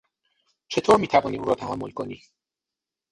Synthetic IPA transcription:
t͡ʃʰe̞t̪ʰoːɾmiːt̪ʰævɒːniːuːɾɒːt̪ʰæhæmːo̰lkʰo̞niː

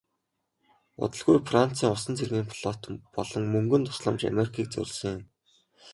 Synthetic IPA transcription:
ʊ̰t̪ə̆ɮɣujfran̥t͡siːŋʊsə̆nt͡sʰerɣeːŋpʰɮ̥ɔt̪pɔɮɞ̆ŋmɵŋɡɵ̆nt̪ʰʊ̥sɮə̆mt͡ɕa̰meɾikʰiːk̚t͡sɵ̰rʲsɘ̆ŋjʊm

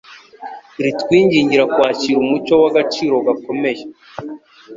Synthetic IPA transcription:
iɾitkwiːɲɟiːɲɟiɾakwaːciːɾumuco̞waɡat͡ʃiːɾo̞ɡako̞me̞ʒe

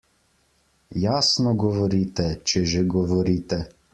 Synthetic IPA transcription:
jaːsnɔɡɔʋɔɾiːt̪ɛt͡ʃɛʒeɡɔʋɔɾiːt̪ɛ

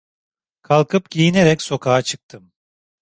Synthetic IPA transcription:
kʰalˠkʰɯpɟijineɾɛcso̞kʰaːat͡ʃʰɯk̚t̪ʰɯm

